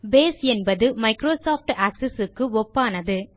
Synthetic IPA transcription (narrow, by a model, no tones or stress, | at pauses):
beːsɛnbɐðɯmɐɪkɾoːsaːfʈaːksɛsɯkːɯɔpːaːnɐðɯ